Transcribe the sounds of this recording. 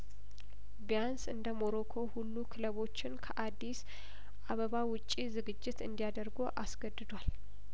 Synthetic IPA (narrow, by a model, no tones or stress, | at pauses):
bjansɨnd̪əmo̞ɾokʰo̞hulːukʰɨləβo̞t͡ʃːɪnkʰəʔad̪ːis | ʔaβəβawʊt͡ʃʼːizɨɡɨd͡ʒːɪt̪ɨnd̪ijad̪əɾɡoʔasɡəd̪ːɨd̪wal